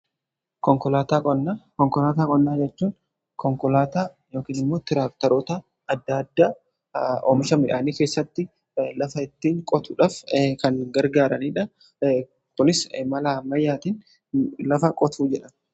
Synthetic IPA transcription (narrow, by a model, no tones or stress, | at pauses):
kɔŋkɔlaːt̪akʼɔnːaːkɔŋkɔlaːt̪aːkʼɔnːaːd͡ʒɛt͡ʃːuːn | kɔŋkɔlaːt̪aː | jo̞ːkiːnɪmːo̞ːt̪ɪɾaːk̚t̪ɐɾoːt̪ɐː | d̪ːad̪ːaː | ɔmɪʃɐmɪᶑaːniːke̞ːsːɐt̪ːɪ | lɐfɐɪt̪ːiːŋkʼɔt̪ʰʊᶑaːfkɐnɡɐɾɡaːɾɐniːᶑɐ | kʊnɪsmɐlaːmɐjːaːt̪iːn | lɐfɐkʼɔt̪ʰuːd͡ʒɛᶑɐn